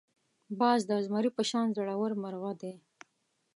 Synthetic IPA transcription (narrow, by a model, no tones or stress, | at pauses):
bɑːzd̪əzmaɾipəʃɑnzaɽawəɾmaɾɣad̪e